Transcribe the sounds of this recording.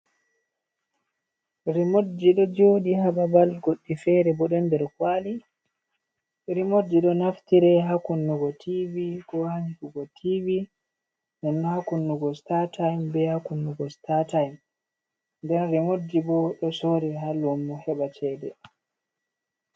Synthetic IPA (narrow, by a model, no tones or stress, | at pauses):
ɾimodːiɗɔd͡ʒoːɗiɦaɓabalɡoɗːifɛɾɛbɔɗɔndɛɾkwali | ɾimodːiɗɔnaftiɾɛɦakunːuɡɔtʰivikɔhaɲkuɡɔtʰivi | nɛnːɔhakunːuɡɔstatajmbɛhakunːuɡɔstatajm | ndɛnɾimodːibɔɗɔsoɾɛɦalumːɔhɛɓat͡ʃɛːdɛ̰